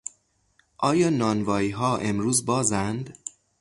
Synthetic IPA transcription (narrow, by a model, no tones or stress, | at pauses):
ʔɒːjɒːnɒːnvɒːiːɦɒːʔe̞mɾuːzbɒːzænd̪